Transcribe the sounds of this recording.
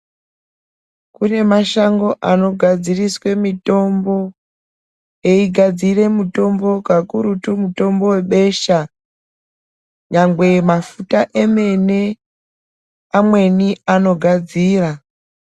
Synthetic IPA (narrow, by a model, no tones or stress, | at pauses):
kune̞maʃaŋɡo̞ʔano̞ɡʱad͡ziriswe̞mito̞mbo̞ | eiɡʱad͡zire̞muto̞mbo̞kakuɾutumuto̞mbo̞we̞ɓe̞ʃa | ɲaŋɡwe̞mafutaʔe̞me̞ne̞ | amwe̞niano̞ɡʱad͡ziːra